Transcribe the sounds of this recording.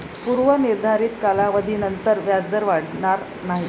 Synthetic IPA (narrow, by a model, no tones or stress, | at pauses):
puɾʋəniɾd̪ʱaɾiːt̪kalaʋəd̪ʱiːnənt̪əɾʋjad͡zd̪əɾʋaɽɳaɾ | naɦi